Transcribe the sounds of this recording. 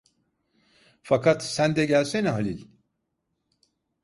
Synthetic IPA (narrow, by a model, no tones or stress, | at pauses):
fakʰat̪sænd̪ɛɟælʲsenɛɦalʲilʲ